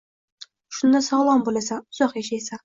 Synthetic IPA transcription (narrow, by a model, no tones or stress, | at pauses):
ʃʊnd̪asɒʁlˠɒmbolasaʊz̥ɒχjaʃajsa